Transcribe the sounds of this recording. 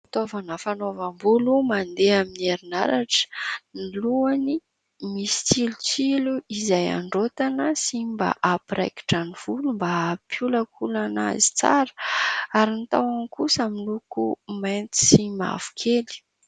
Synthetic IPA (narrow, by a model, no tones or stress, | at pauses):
it̪ovanəfanovambulumand̪eaminieɾina̰ɾaʈ͡ʂə̥niiluani | misi̥t͡silut͡siluizaja̰ɳɖ͡ʐot̪anəsimba̰ʔapiɾa̰jki̥ʈ͡ʂaniv̥ulumbapʰjuləkʰulana̰zi̥t͡sa̰ɾə̥aɾinit̪awankusamilukumant̪i̥sima̰v̥u̥kʰeli̥